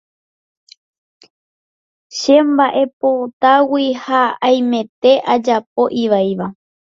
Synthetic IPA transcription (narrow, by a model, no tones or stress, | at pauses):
ʃe̞mbaʔe̞pot̪awihaaj̃mẽ̞t̪e̞ʔad͡ʒap̚o̞ʔiʋajʋa